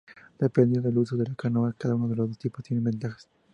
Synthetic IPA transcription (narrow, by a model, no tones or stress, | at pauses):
d̪̥epend̪eðelus̬oðelakanoakaðaunoðelozðost̪ipost̪jenembent̪axḁs